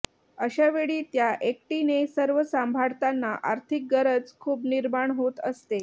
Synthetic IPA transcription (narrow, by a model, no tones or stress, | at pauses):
əɕaʋeɭiːt̪jaʔek̚ʈinesəɾʋəsambʱaɽt̪anːaʔa̰ɾt̪ʰik̚ɡəɾəd͡zkʰuːbniɾmaɳɦot̪əst̪e